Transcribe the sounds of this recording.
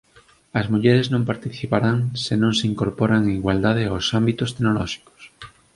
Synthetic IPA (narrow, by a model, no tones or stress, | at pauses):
ɐzmuʎeɾeznõmpaɾt̪iθipaɾaŋsenõŋseiŋkoɾpoɾaŋeŋiɣwald̪að̞eawsambit̪ost̪enolɔʃi̥ko̥s